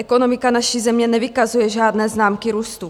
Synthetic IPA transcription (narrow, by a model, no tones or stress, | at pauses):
ɛko̞no̞mɪkanaʃizɛmɲɛnɛvɪkazujɛʒaːdnɛːznaːmkiɾuːst̪u